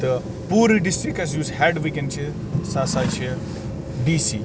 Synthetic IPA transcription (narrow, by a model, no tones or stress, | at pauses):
t̪ɐ | puːɾiɖisʈɾikːɐsjuːzhɛɖʋikenɖt͡ʃʰi | sasat͡ʃʰi | ɖisḭ